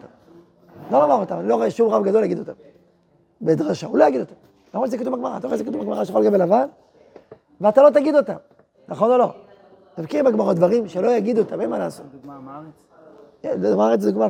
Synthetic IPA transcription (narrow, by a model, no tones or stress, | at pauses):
tam | lomamaʁot̪amaniloʁeeʃumʁavɡad̪o̞ljaɡid̪o̞t̪am | bed̪ʁaʃaulojaɡid̪ot̪am | lamt͡ʃzekatuvbaɡmaʁa̰taoezekt̪uvbaɡmaʁaʃexolɡkabelavan | veat̪alo̞t̪aɡid̪o̞t̪am | naχo̞no̞lo̞ | t̪avkiʁbaɡmaʁod̪vaʁimʃelo̞jaɡid̪uotamenmanaːsot | maaʁet͡szɡma